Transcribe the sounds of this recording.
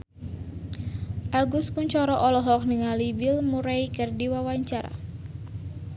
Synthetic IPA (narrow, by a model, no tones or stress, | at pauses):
ʔaɡuspuɲt͡ʃɔɾɔʔɔlɔɦɔk̚nəŋalibɪlmuɾaikərdiwawaɲt͡ʃaɾa̰